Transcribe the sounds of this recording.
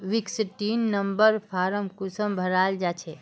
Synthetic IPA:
ʋiksʈiːnːəmbəɾpʰaːɾəmkusəmbʱəɾaːld͡ʒat͡ʃʰe

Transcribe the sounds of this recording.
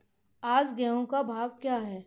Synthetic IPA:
aːd͡ʒɡɛõkabʱaːʋkjaːɦɛː

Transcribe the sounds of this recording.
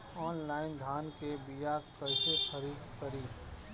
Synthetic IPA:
ɔːnlaːɪnd̪ʱaːnkebijakəɪsekʰəɾiːd̪kəɾiː

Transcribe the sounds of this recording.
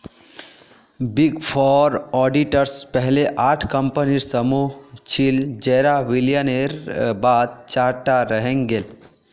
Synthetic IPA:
biɡpʰɔːɾɔːɖiʈəɾspɛɦleʔaːʈʰkə̃mpəniɾsəmut͡ʃʰild͡ʒɛːɾaʋiljəneɾbaːd̪̚t͡ʃaːʈaɾəɦẽŋɡel

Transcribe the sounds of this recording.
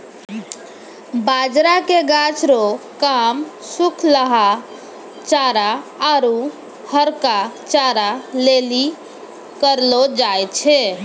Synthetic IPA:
bad͡ʒɾakeɡat͡ʃʰɾokamsukʰləɦa | t͡ʃaɾaːɾu | həɾkat͡ʃaɾaleli | kəɾlod͡ʒajtt͡ʃʰɛ

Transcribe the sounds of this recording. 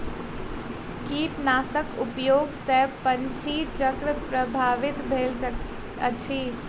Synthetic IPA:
kiːt̪naːsəkʊpjoːɡsepə̃ɲt͡ʃʰiːt͡ʃəkɾpɾəbʱaːʋɪt̪bʱeːlə | ə̰t͡ʃʰiː

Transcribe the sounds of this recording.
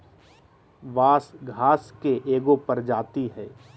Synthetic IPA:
ʋaːsɡʱaːskeʔeːɡopɐɾd͡ʒaːt̪iɦɛː

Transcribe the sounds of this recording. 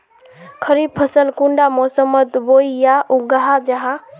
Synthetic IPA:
kʰəɾib̚pʰəsəlkuɳɖamɔsəmət̪boijaʔuɡaɦad͡ʒəɦã

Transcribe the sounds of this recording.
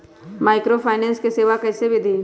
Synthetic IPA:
maːɪkɾopʰaːnɛ̃ːnskeseːʋakɛːsebʱid̪ʱiː

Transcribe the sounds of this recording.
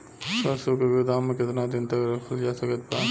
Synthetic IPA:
sɐɾsokoɡʊd̪aːmːẽkɪt̪nad̪ɪnt̪əkɾɐkʰəld͡ʒaːsəkət̪̚paː

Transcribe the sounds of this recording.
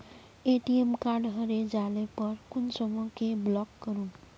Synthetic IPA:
eʈiemkaɾɖɦəɾed͡ʒalepəɾkunsəmukeblɔkːəɾun

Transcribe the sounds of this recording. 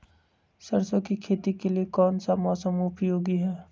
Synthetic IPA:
sɐɾsõkikʰeːt̪ikeliekɔːnsamɔːsəmʊpjoːɡiɦɛː

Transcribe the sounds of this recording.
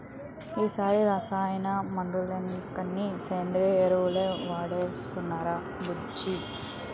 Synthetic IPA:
iːsaːɾiɾaːsaːjɐnɐmɐnd̪ulenkɐnːiseːnd̪ɾeeɾuʋleʋaːɽesɔnːaːɾɐ | bu | d͡ʒi

